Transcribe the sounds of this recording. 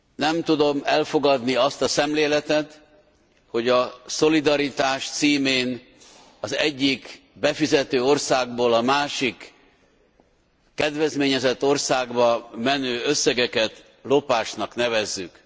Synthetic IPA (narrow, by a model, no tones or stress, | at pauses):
nɛmt̪ud̪o̞mɛlfo̞ɡɒd̪niɒst̪ɒsɛmleːlɛt̪ɛt̪ | ho̞ɟɒso̞lid̪ɒɾit̪aːʃt̪siːmeːn | ɒzɛɟːik | bɛfizɛt̪øːo̞rsaːɡ̚boːlɒmaːʃik | ɛd̪vɛzmeːɲɛzɛt̪ːo̞rsaːɡbɒmɛnøːøsːɛɡɛkɛt̪ | lo̞paːʃnɒknɛvɛzːyk